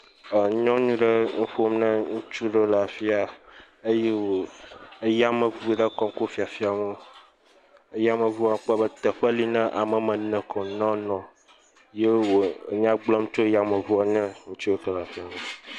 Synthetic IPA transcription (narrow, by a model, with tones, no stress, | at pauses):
ə˨˦ɲɔ̃˦ɲũ˦ɖe˦ŋ̩˦ɸo˦mnə̃˦ŋũ˦t͡ʃu˦ɖe˦la˨fi˦a˨ | e˦je˦wo˨e˦ja˦mə̃˨vu˨ɖɛ˦kɔ˨ŋ˦ko˦fi˨a˨fi˦a˨mɛ˦ | e˦ja˦mə̃˨vu˦a˨˦k͡pɛ˦bə˦t̪ɛ˨ɸɛ˦li˦nɛ̃˦ʔa˨mɛ̃˨mɛ̃˨nɛ̃˨kɔ˨nɔ̃˦nɔ̃˨ | je˦wo˨ɲ̃˦ã˦ɡ͡blɔ˦mt͡ʃo˦ja˨mə̃˨vu˦a˦˨nɛ̃˦ŋũ˦t͡ʃu˦e˦kə˦la˨fi˦a˨me˨